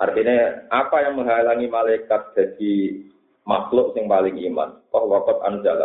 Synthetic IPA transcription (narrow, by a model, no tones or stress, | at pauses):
ʔart̪ineapajaŋməŋɦaelaŋimalaikat̪̚d̪̥ä̤d̪̥i̤ | maslʊʔsɪŋpalɪŋima̰nk̪ɔhwɔkɔt̪̚a̰nusiala̰